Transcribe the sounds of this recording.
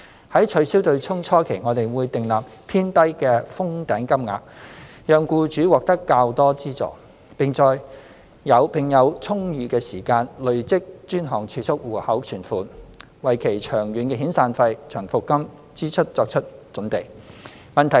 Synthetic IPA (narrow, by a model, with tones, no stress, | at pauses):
hɐ˨˥jt͡ʃʰɵ˨˧˥siː˥wt̪ɵ˧ɥt͡sʰʊ˥ŋt͡sʰɔː˥kʰe˨˩jŋɔː˨˧t̪e˨˩jwuː˨˧jt̪ɪ˨ŋlaː˨˩p̚pʰiː˥nt̪ɐ˥jkɛː˧fʊ˥ŋt̪ɛː˨˥ŋkɐ˥mŋa̰ː˧k̚ | jœː˨ŋkuː˧t͡ʃyː˨˥wɔː˨k̚t̪ɐ˥kːaː˧wt̪ɔː˥t͡siː˥t͡sɔ̰ː˨˩ | pɪ˨ŋt͡sɔː˨˧j | jɐ˨˧wpʰɪ˨ŋjɐ˨˧wt͡sʰʊ˥ŋjyː˨˧kɛː˧siː˨˩kaː˧nlɵ˨ɥt͡sɪ˥k̚t͡ʃyː˥nɦɔː˨˩ŋt͡ʃʰyː˨˩sʰʊ˥k̚wuː˨˩hɐ˨˥wt͡ʃʰyː˨˩nfuː˨n | wɐ˨jkʰe˨˩jt͡ʃʰœː˨˩ŋɥyː˨˥nkɛː˧ɦiː˨˥nsaː˧nfɐ˧jt͡ʃʰœː˨˩ŋfʊ˨kkːɐ˥m | t͡siː˥t͡ʃʰɵ˥t̚t͡sɔː˧k̚t͡ʃʰɵ˥t̚t͡ʃɵ˨˥npe˨˩j | mɐ˨nt̪ʰɐ˨˩